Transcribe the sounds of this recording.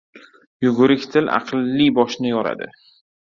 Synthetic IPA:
jʊɡʊɾɪkʲt̪ʰɪlɑ̰qʰlːibɒʃnɪjɒɾa̰d̪ɪ̰

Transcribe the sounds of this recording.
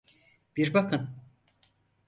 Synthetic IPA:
b̥iɾbakʰɯn

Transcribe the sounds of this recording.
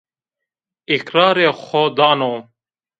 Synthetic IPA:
ikɾaːɾexoːd̪aːnoː

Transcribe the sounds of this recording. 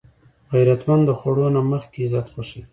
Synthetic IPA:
ɣajɾat̪mand̪d̪əxwaɽonaməxkezat̪xoʃəl

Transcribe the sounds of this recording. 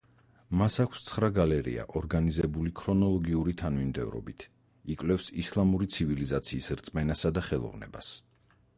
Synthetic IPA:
masakʰst̪sʰχɾaɡalɛɾḭa̰ʔɔɾɡanizɛbulikʰɾɔnɔlˠɔɡiuɾit̪ʰanmimd̪ɛ̰vɾɔ̰bit̪ʰ | ikʼvlɛfsislˠamuɾit̪sʰivilizat̪sʰiːsɾt̪sʼmɛnasad̪aχɛlˠɔ̰vnɛ̰ba̰s

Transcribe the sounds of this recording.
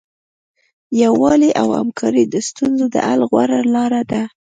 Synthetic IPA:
jawɑliʔawa̰mkʰɑɾid̪əst̪unzod̪ə̰ʔalɣwaɾalɑɾad̪a

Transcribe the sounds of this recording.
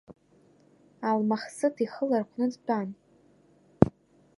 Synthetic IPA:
almaχsɨtʰiχəlarqʷʰnɨd͡zpʰan

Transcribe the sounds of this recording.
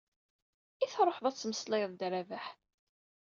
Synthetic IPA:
iθɾˤoħðˤɑt͡sːməslɪðˤd̪ɾavæħ

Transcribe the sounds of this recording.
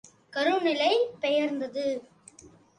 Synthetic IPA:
kɐɾʊnɪlɐɪpɛjɐɾnd̪ɐðɯ

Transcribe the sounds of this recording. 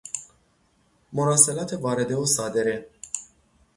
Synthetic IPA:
moɾaselat̪evaɾed̪eosad̪eɾe

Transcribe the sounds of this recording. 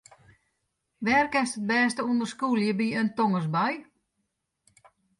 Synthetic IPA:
ʋɛrkɛsət̚bɛːstəundərskuːlˠjəbiøntoŋəs̬baj

